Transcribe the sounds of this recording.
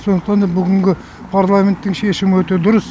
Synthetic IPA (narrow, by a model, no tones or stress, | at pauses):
sonəqt̪ɑnd̪ɑbʏɡʲɪŋɡʲɪ | pʰaɾlˠamʲe̞nt̪ːɪŋʃe̞ʃɪmɪwɵt̪e̞d̪ʊɾəs